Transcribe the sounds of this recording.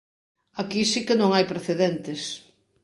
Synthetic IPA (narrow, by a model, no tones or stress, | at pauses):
akisikenõŋajpɾeθeðent̪ɪs